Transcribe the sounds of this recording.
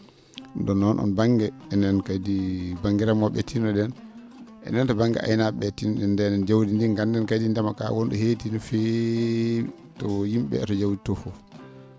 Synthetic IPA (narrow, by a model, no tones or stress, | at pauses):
ndɔnːɔnʔɔ̰nbaŋɡɛɛnɛnkajdibaŋɡiɾamɔɓɛ̰tʰinɔɗɛn | ʔɛ̰nɛntɔbaŋɡɛ̰ʔa̰jnaɓɛtinɔɗɛndɛnɛnd͡ʒawdindiŋɡandɛnkajdindɛmaka̰wɔnɗuhetinɔfɛ | tɔjimɓɛ̰ɛtɔd͡ʒawditɔfɔ